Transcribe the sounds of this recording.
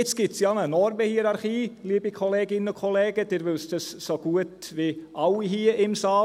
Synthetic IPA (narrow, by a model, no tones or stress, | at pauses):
ɪt͡s̚ɡ̥ɪtsjɑnənɔɾməhiɾɑɾχiːliːbəkʰɔleːɡɪnənʊkʰɔleːɡəd̥̪ɪːɾʋʏlst̪əssoɡ̥uətʋiʔɑʊiɦiːɪmsɑː